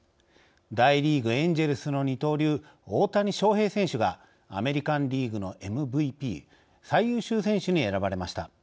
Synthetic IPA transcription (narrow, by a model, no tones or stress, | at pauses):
d̪aiɾʲiːɡɯ̟ẽɲd͡ʑe̞ɾɯ̟sɨno̞ɲ̟it̪o̞ːɾʲɨː | oːt̪aɲ̟iɕo̞ːhe̞ːsẽ̞ɰ̃ɕɨɡa | a̰me̞ɾʲikãnɾʲiːɡɯ̟no̞ʔe̞mɯ̟bɯ̟ipʲḭː | saijɯ̟ːɕɨːsẽ̞ɰ̃ɕɨɲ̟ie̞ɾabaɾe̞maɕi̥t̪a